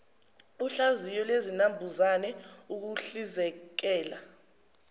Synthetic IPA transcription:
uɬazijɔlwezinambʱuzanɛuk̬uɬizɛk̬ɛːla

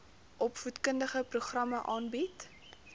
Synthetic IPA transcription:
ʔɔpfutkəndəχəpruχrɐməʔɑːnbit

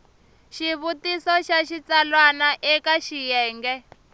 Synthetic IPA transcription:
ʃiβutisɔʃaʃit͡salwanaʔɛkaʃijɛːŋɡɛ

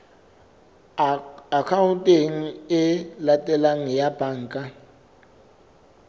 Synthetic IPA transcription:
akʰawutʼeŋ̩ɛlatʼɛlaŋɛjab̥ʱaːŋkʼa

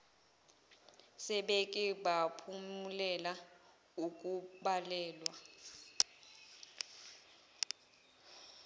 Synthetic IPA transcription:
sɛɓekʼiɓapʰumulɛla | uk̬ʼuɓalɛːlwa

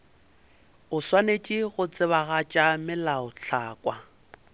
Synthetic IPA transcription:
ʊswanet͡ʃʼɪɣʊt͡sʼɪβaɣat͡ʃʼamɪlaʊɬʰaːkʼwa

